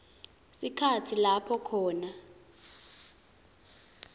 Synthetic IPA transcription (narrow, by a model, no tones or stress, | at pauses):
sikʰatʰilapʰɔkʰɔːna